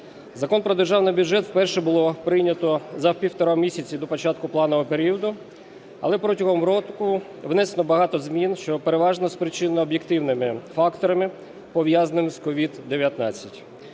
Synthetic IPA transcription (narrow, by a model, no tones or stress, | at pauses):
zɐkɔnpɾɔd̪erʒɑwnɐbʲjudʒɛt̪wpɛrʃɛbʊlˠɔpɾɪjnʲɐt̪ɔzɐwpʲiwt̪ɔɾɔmʲisʲɐt͡sʲid̪ɔpɔt͡ʃɑt̪̚kʊplˠɑnɔɦɔpeɾʲiɔd̪ʊ | ɐ̰lˠɛpɾɔtʲɐɦɔmɾɔkʊ | ʋnɛsenˠɔbɐɦɑt̪ɔzmʲinʃt͡ʃɔpeɾeʋɑʒnɔspɾɪt͡ʃɪnɔɔbʲjekt̪ɪwnɪmɪfɑkt̪ɔɾɐmɪ | pɔʋjazɐnɪmɪskɔʋʲid̪d̪eʋʲjɐt̪nɑt͡sʲːɐtʲ